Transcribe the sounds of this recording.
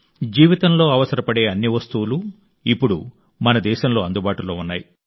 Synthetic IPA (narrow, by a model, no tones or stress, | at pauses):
d͡ʒiːʋit̪ɐmlo̞ːɐʋɐsɐɾɐpɐɽe̞ːɐnːiʋɐst̪uwulu | ipːuɽu | mɐnɐd̪ɛːʃɐmlo̞ːɐnd̪ubaːʈulo̞ːunːaːji